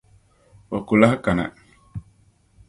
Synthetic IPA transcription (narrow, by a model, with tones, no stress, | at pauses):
ɔ˨ku˨la˦hka˨na̰˨